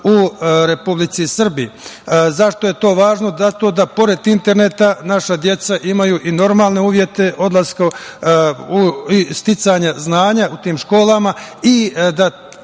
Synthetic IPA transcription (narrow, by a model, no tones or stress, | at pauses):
uɾe̞publit̪sisr̩bizaʃt̪o̞je̞t̪o̞ːʋaːʒno̞zat̪o̞ːd̪apo̞ɾe̞d̪int̪e̞ɾne̞t̪anaʃad̪je̞t̪saʔimajuʔino̞ɾmaːlˠne̞uːʋje̞t̪e̞ʔo̞d̪lˠaska | uist̪it̪saɲaznaːɲaut̪iːmʃko̞ːlamaid̪a